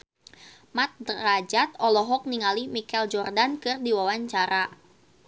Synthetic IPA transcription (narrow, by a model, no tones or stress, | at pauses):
mat̪̚drad͡ʒat̪̚ɔlɔɦɔk̚niŋalimikɛld͡ʒɔrdankɨrdiwawaɲt͡ʃaɾa